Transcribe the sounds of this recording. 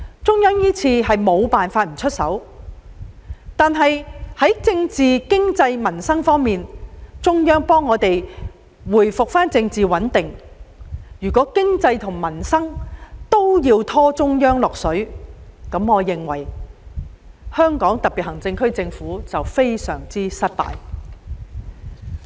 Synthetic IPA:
t͡sʊ˥ŋjœː˥ŋjiː˥t͡sʰiː˧ɦɐ˨jmo˨˧wpaː˨nfaː˧t̚m̩˨˩t͡ʃʰɵ˥t̚sɐ̰˨˥w | t̪aː˨nɦɐ˨jhɐ˨˥jt͡sɪ˧ŋt͡siː˨kɪ˥ŋt͡sɐ˧jmɐ˨˩nsɐ˥ŋfɔː˥ŋmiː˨nt͡sʊ˥ŋjœː˥ŋpɔː˥ŋːɔː˨˧t̪e˨j | wuː˨˩jfʊ˨k̚faː˥nt͡sɪ˧ŋt͡siː˨wɐ˨˥nt̪ɪ˨ŋ | jyː˨˩kɔː˨˥kɪ˥ŋt͡sɐ˧jt̪ʰʊ˨˩ŋmɐ˨˩nsɐ˥ŋt̪o˥wjiː˧wt̪ʰɔː˥t͡sʊ˥ŋjœː˥ŋlɔː˨k̚sɵ˨˥ɥkɐ˨˥mŋɔː˨˧jɪ˨˩ŋwɐ̰˨˩j | hœː˥ŋkɔː˨˥ŋt̪ɐ˨˩piː˨t̚hɐ˨˩ŋt͡sɪ˧ŋkʰɵ˥ɥt͡sɪ˧ŋfuː˨˥t͡sɐ˨wfe˥jsœ̰ː˨˩ŋt͡siː˥sɐ˥t̚t̪a̰ː˨j

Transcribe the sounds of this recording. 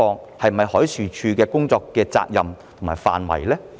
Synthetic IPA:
ɔː˧ŋ | hɐ˨jm̩˨˩ɐ˨jhɔː˨˥jsyː˨˩t͡ʃʰyː˧kɛː˧kʊ˥ŋt͡sɔː˧kːɛː˧t͡sa̰ː˧k̚jɐ˨mt̪ʰʊ˨˩ŋmaː˨˩jfa̰ː˨nwɐ̰˨˩jlɛː˥

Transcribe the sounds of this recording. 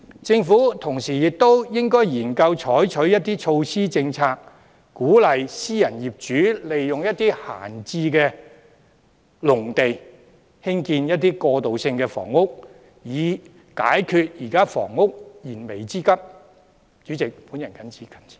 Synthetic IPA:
t͡sɪ˧ŋfuː˨˥t̪ʰʊ˨˩ŋsiː˨jɪ˨k̚t̪o˥wjɪ˥ŋkɔː˥jjiː˨˩nkɐ˧wt͡ʃʰɔː˨˥jt͡ʃʰɵ˨˥ɥjɐ˥t̪̚ːiː˥t͡ʃʰo˧wsiː˥t͡sɪ˧ŋt͡sʰaː˧k̚ | kuː˨˥lɐ˨˩jsiː˥jɐ˨˩njiː˨p̚t͡ʃyː˨˥le˨jjʊ˨ŋjɐ˥t̚t̪iː˥ha̰ː˨˩nt͡siː˧kɛː˧ | lʊ˨˩ŋt̪e˨j | hɪ˥ŋkiː˧njɐ˥t̚t̪iː˥kɔː˧t̪o˨wsɪ˧ŋkɛː˧fɔ̰ː˨˩ŋːʊ˥k̚ | jiː˨˧ | ka̰ː˨˥jkʰyː˨˧t̚jiː˨˩kaː˥fɔ̰ː˨˩ŋːʊ˥k̚jiː˨˩nme˨˩jt͡siː˥kɐ˥p̚ | t͡ʃyː˨˥t͡sɪ˨k̚puː˨˥njɐ˨nkɐ˨˥nt͡sʰiː˨˥kʰɐ˨˩nʰi̥˨

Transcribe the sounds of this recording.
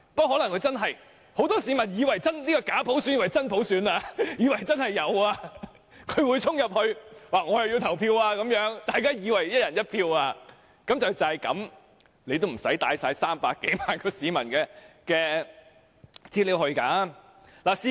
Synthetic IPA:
pɐ˥t̚ɦɔː˨˥lɐ˨˩ŋkʰɵ˨˧ɥt͡sɐ˥nɦɐ˨j | ho˨˥wt̪ɔː˥si˨˧mɐ˨˩njiː˨˧wɐ˨˩jt͡sɐ˥nliː˥kɔː˧kaː˨˥pʰo˨˥wsyː˨˥nɲi˨˩wɐ˨˩jt͡sɐ˥npʰo˨˥wsyː˨˧˥naː˧jiː˨˧wɐ˨˩jt͡sɐ˥nhɐ˨jːɐ˨˧waː˧ | kʰɵ˨˧ɥwuː˨˧jt͡sʰʊ˥ŋjɐ˨p̚hɵ˧ɥwaː˨˩ŋɔ˨˧jɐ˨wji˧wt̪ʰɐ˨˩wpʰiː˧waː˧kɐ˨˥mjœː˨˥ŋt̪aː˨jkaː˥jiː˨˧wɐ˨˩jjɐ˥t̚jɐ˨˩njɐ˥t̚pʰiː˧waː˧ | kɐ˨mt͡sɐ˨wt͡sɐ˨ɐ˨jkɐ̰˨˥m | le˧jt̪o˥m̩˨˩sɐ˨˥jt̪aː˨˥jsaː˧jsaː˥mpaː˧kːe˨˥jmaː˨nkɔː˧siː˨˧mɐ˨˩nkɛː˧kɛː˧ | t͡siː˧liː˨˧˥whɵ˧ɥkaː˨˥ | laː˨si˧˥

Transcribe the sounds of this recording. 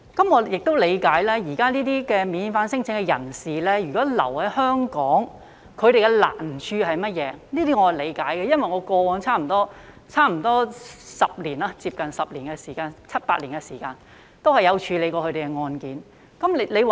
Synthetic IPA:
kɐ˨˥mŋɔː˨˧jɪ˨k̚t̪o˥wle˨˧jkaː˨˥jlɛː˥jiː˨˩kaː˥niː˥t̪iː˥kɛː˧miː˨˧nfaː˧nsɪ˥ŋt͡sʰɪ˨˥ŋkɛ˧jɐ̰˨˩nsiː˨˩lɛː˥jyː˨˩kɔː˨˥lɐ̰˨˩whɐ˨˦˥jhœː˥ŋkɔː˨˥ŋ | kʰɵ˨˧ɥɾe˨jkɛ˧la̰ː˨˩nt͡ʃʰyː˧hɐ˨jmɐ˥t̚jɛː˨˧niː˥t̪iː˥ŋɔ˨˧ɐ˨˩le˨˧jkaː˨˥jkɛ˨˧jɐ˥nwɐ˨jŋɔː˨˧kʷɔː˧wɔː˨˧˥ŋt͡sʰaː˥m̩˨˩t̪ɔː˥ | t͡sʰaː˥m̩˨˩t̪ɔː˥sɐ˨p̚liː˨˩naː˧t͡siː˧p̚kɐ˨nsɐ˨p̚liː˨˩nkɛ˧siː˨˩kaː˧nt͡sʰɐ˥t̚paː˧t̚liː˨˩nɡɛ˧siː˨˩kaː˧n | t̪o˥whɐ˨jɐ˨˧wt͡ʃʰyː˨˧le˨˧jkʷɔː˧kʰɵ˧ɾe˨˩kɛ˧ŋɔː˧nkiː˨˥n | kɐ˨˦˥mle˨˧jw

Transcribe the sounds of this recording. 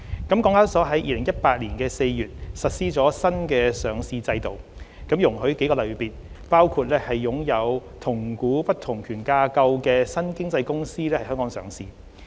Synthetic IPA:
kɐ˨˥mkɔː˨˥ŋaː˥sɔː˨˥ɦɐ˨˥jʔiː˧lɪ˨˩ŋjɐ˥t̚paː˧t̚liː˨˩nkɛː˧se˧jjyː˨t̚sɐ˨t̚siː˥t͡sɔː˨˥sɐ˥nkɛː˧sœː˨˧ŋsiː˧t͡sɐ˧jt̪o˨w | kɐ˨˥mjʊ˨˩ŋhɵ˨˥ke˨˥jkɔ˧lɐ˨˩ɥpiː˨t̚ | paː˥wkʰuː˨˧t̚lɛː˥hɐ˨jːʊ˨˥ŋjɐ˨˧wt̪ʰʊ˨˩ŋkuː˨˥pɐ˥t̚t̪ʰʊ˨˩ŋkʰyː˨˩nkaː˧kɐ˧wkɛː˧sɐ˥nkɪ˥ŋt͡sɐ˧jkʊ˥ŋsiː˥lɛ˥hɐ˨jhœː˥ŋkɔː˨˧˥ŋsœ̰ː˨˧ŋsḭː˧

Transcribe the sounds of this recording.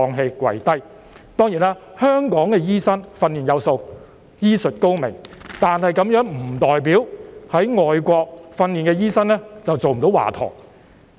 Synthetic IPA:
ɔː˧ŋɦe˧jkʷwɐ̰˨˩jt̪ɐ˥j | t̪ɔː˥ŋjiː˨˩naː˥hœː˥ŋkɔː˨˥ŋkɛː˧jiː˥sɐ˥nfɐ˧nːiː˨˩njɐ˨˧wso˧w | jiː˥sɵ˨t̚ko˥wmɪ̰˨˩ŋt̪aː˨nhɐ˨jkɐ˨˥mjœː˨˥ŋm̩˨˩t̪ɔː˨jp̬iː˨˥whɐ˨˥jŋɔː˨jkʷɔː˧k̚fɐ˧nliː˨˩nkɛː˧jiː˥sɐ˥nlɛː˥t͡sɐ˨wt͡so˨wm̩˨t̪o˨˥wa̰ː˨˩t̪ʰɔ̰ː˨˩ŋ

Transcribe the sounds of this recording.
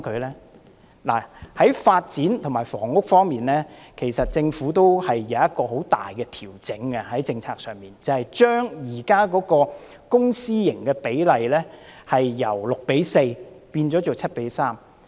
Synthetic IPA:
kʰɵ˨˧ɥlɛː˥ | la̰ː˨˩hɐ˨˥jfaː˧t̚t͡siː˨˥nt̪ʰŋmaː˨˩jfɔː˨˩ŋʊ˥k̚fɔː˥ŋmiː˨nlɛː˥kʰe˨˩jsɐ˨t̚t͡sɪ˧ŋfuː˨˥t̪o˥whɐ˨jːɐ˨˧wɐ˥t̚kɔː˧ɦo˨˥wt̪a̰ː˨jkɛ˧t̪ʰiː˨˩wt͡sɪ˨˥ŋɐ˧hɐ˨˥jt͡sɪ˧ŋt͡sʰaː˧k̚sœː˨˩ŋmiː˨nt͡sɐ˨hɐ˨jt͡ʃœː˥ŋjiː˨˩kaː˥kɔː˨˥kɔː˧ | kʊ˥ŋsiː˥jɪ˨˩ŋkɛː˧pe˨˥jlɐ˨jlɛː˥hɐ˨jːɐ˨˩wlʊ˨k̚pe˨˥jse˧jpiː˧nt͡ʃɔː˨˥t͡so˨wt͡sʰɐ˥t̚pe˨˥jsaː˥m

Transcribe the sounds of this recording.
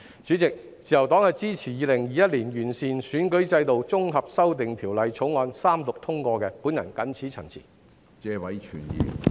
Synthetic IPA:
t͡syː˨˥t͡sɪ˨k̚ | t͡siː˨jɐ˨˩wt̪ɔː˨˥ŋhɐ˨jt͡siː˥t͡sʰiː˨˩jiː˨˧lɪ˨˩ŋjiː˨˧jɐ˥t̚liː˨˩njyː˨˩nsiː˨nsyː˨˥nkɵ˨˥ɥt͡sɐ˧jt̪o˨wt͡sʊ˥ŋɦɐ˨p̚sɐ˥wt̪̬ɪ˨ŋt̪ʰiː˨˩wlɐ˨jt͡sʰʊ˨˥wŋɔː˧nsaː˥mt̪ʊ˨k̚t̪ʰʊ˥ŋkʷɔː˧kɛː˧pu˨˥njɐ̰˨˩nkɐ˨˥nt͡sʰiː˨˥t͡sʰɐ˨˩nt͡sʰḭː˨˩ | t͡sɛː˧wɐ˨˥jt͡ʃʰyː˨˩njḭː˨˧

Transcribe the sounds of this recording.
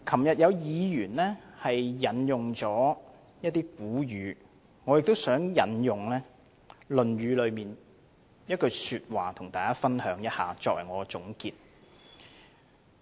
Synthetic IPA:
kʰɐ˨˩mjɐ˨t̚jɐ˨˧wjiː˨˧jyː˨˩nlɛː˥hɐ˨jːɐ˨˥njʊ˨ŋt͡sɔː˨˥ | jɐ˥t̚t̪iː˥kuː˨˥jyː˨˧˦ | ŋɔ˨˧jɪ˨k̚t̪o˥wsœː˨˥ŋjɐ˨˧njʊ˨ŋlɛː˥ | lɵ˨nɥyː˨˧lɵ˨˧ɥmiː˨n | jɐ˥t̚kɵ˧syː˧t̚waː˨t̪ʰʊ˨˩ŋt̪aː˨˩kaː˥fɐ˥nhœː˨˥ŋjɐ˥t̚ha̰ː˨t͡sɔː˧k̚wɐ̰˨˩jŋɔː˨˧t͡sʊ˨˥ŋkiː˧t̚

